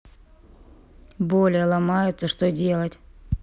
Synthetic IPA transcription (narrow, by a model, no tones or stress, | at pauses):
bolʲɪjəlˠɐmajʊt̪səʂt̪odʲe̞lˠətʲ